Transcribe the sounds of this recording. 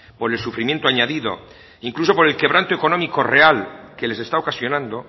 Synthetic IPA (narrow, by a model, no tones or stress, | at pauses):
po̞ɾelsufɾimje̞nt̪oaɲaðiðo̞̰ | iŋkluso̞poɾe̞lke̞β̞ɾant̪oe̞ko̞no̞miko̞re̞alke̞lese̞st̪aokasjo̞nãnd̪o̞